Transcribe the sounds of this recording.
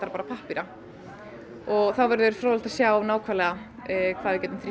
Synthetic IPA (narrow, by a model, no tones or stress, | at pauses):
t̪aɾapaːɾapʰahpiɾa | ɔɣθawvɛɾðʏvɛɾ̥fɾawl̥t̪ḁsjaːwnaːwkʰvalɛɣakʰvaːðvɪcɛːt̪ʏmθɾi